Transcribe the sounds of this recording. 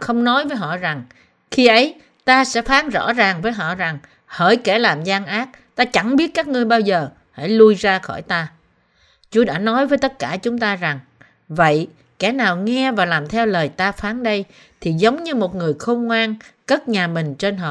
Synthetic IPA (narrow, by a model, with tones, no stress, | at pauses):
xə˧wŋ͡mnɔ˨˦jvəː˨˦jɦɔ̰˧˨za˨˩ŋ | xi˧ʔə˨˦j | t̪aː˧sɛ̰˧˥faː˨˦nzɔ̰˧˥zaː˨˩ŋvəː˨˦jɦɔ̰˧˨za˨˩ŋ | hə̰ː˧˩jkɛ˧˩laː˨˩mzaː˧ŋʔaː˦˥t̚t̪aː˧t͡ɕa˧˩ŋɓi˦˥ət̚kaː˦˥k̚ŋɨ˧əjɓaː˧wzəː˨˩ | ha̰˧˥˩jlu˧jzaː˧xɔ˧˩jt̪aː˧ | t͡ɕu˨˦əɗa̰ː˧˥nɔ˨˦jvəː˨˦jt̪ə˦˥t̚kaː˧˩t͡ɕʊ˨˦ŋ͡mt̪aː˧za˨˩ŋ | və̰˧˨j | kɛ̰˧˩naː˨˩wŋɛ˧vaː˨˩laː˨˩mt̪ʰɛ˧wləː˨˩jt̪aː˧faː˨˦nɗə˧j | t̪ʰi˨˩zə˨˦wŋ͡mɲɨ˧mo˨˩t̚ŋɨ˨˩əjxə˧wŋ͡mŋwaː˧nkə˦˥t̚ɲaː˨˩mï˨˩ŋ̟t͡ɕe˧nɦɔ̰˧˨